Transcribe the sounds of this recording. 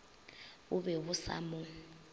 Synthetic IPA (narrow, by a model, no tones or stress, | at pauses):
ʊβɛβʊsa̰mʊ